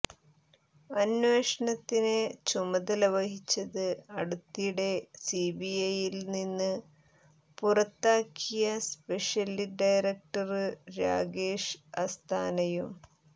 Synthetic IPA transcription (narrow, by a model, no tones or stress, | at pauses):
ɐnʋeːʂɐɳɐt̪ːinet͡ɕumɐðɐlɐʋɐɦit͡ɕːɐðɨɐɽut̪ːijuɽe̞sibiɐjilninːɨ | purɐt̪ːaːkʰːijɐspe̞ʂjɐliɖɐjɾɐk̚ʈɐrɨɾa̰ːɡeːʂɐst̪ʰaːnɐjum